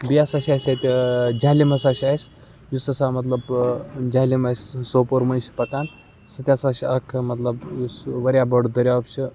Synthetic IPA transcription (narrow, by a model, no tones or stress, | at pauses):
bijaːsaʃʲasɐt̪ʲid͡ʒaːlimɐsaːʃʲasʲ | jusɐsaːmɐt̪̬lɐbd͡ʒaːɦlʲimɐsʲsoːpoɾmɐnʲʃi̥pɐkaːn | sɐt̪ʲaːsaʃiɐkʰmɐt̪lɐbjusʋɐɾʲjabɐɽd̪ɐɾʲjaːpt͡ʃʰi